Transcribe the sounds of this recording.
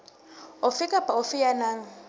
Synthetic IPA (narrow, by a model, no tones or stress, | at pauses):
ʊfɪkʼapaʊfɪjanaːŋ̩